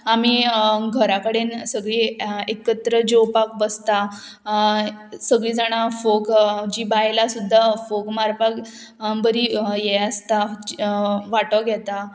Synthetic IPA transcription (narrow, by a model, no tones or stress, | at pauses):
amiɡʱəɾakəɽensəɡɭiːekət̪ɾəd͡ʑowpakbəst̪a | səɡɭiːd͡zaɽ̃afokd͡ʑiːbajlasud̪ʱːafokmaɾpak | bəɾijɛəst̪a | ʋaʈəɡʱjɛt̪a